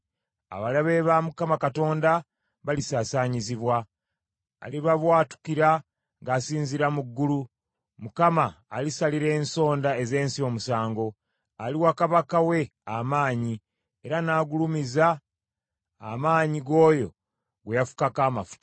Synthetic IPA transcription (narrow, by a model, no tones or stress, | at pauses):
a̰βalaβe̞βamukamakato̞ːnda | βalisaːsaɲiziβwa̰ː | liβaβwaːtu̥kiɾa | ŋɡaːsiːnziɾamuɡːulu | mukamaːlisaliɾe̞ːnso̞ːndae̞ze̞ːnsio̞musaːŋɡo̞ | aliwakaβakawe̞ | amaːɲi | e̞ɾanaːɡulumiza | maːɲiɡo̞ːjo̞ | ɡwejafu̥kakaːmafu̥tḁ